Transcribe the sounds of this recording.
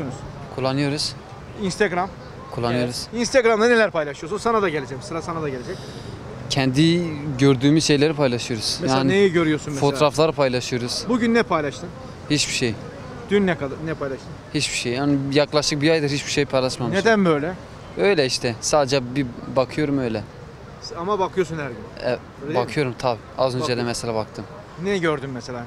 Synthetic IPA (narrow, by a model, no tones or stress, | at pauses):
nz | kʰulˠːanɯjo̞ɾuz̥ | inst̪aɡɾam | kʰulˠːanɯjo̞ɾuz̥inst̪aɡɾamd̪anelʲæɾpajlʲˠaʃɯjosunsanad̪aɟelʲed͡ʒɛsɯɾasanad̪aɟelʲed͡ʒɛc | cʰɛnd̪iɟøɾd̪yːmyzʃe̞jlʲeɾipʰajlˠaʃɯjo̞ɾuz̥mɛjaːninejɛɟøɾyjoɾsunmɛfot̪oɾaflˠaɾpʰajlˠaʃɯjo̞ɾuz̥buɟynːɛpʰajlʲˠaʃt̪ɯn | hit͡ʃbiʃej | d̪̥ynːɛnɛpʰajlʲˠaʃt̪ɯmhit͡ʃbiʃejhanijaklˠaʃt̪ɯk̚bijajd̪ɯhit͡ʃbiʃejpʰajlˠaʃmamɯnʃed̪ænbøjlʲɛ | ø̞jlʲɛiʃt̪ʰɛsaːd̪ed͡ʒɛbibakʰɯjo̞ɾumø̞jlʲɛ | amabakʰɯjos̬unhæɾɟynɛ | bakʰɯjo̞ɾumt̪ʰabiːazø̞nd͡ʒɛd̪ɛmɛselʲaːbak̚t̪ʰɯm | nɛɟøɾd̪ymːɛselʲaː